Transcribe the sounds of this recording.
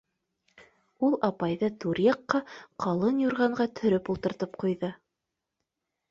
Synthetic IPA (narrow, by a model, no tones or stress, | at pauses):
ulˠɑpɑjðɤt̪uɾjɑqːɑqʰɑlˠɤnjuɾʁɑɴɢɑt̪ʰɵ̆ɾɵpulˠt̪ɤ̆ɾt̪ɤp̚qujðɤ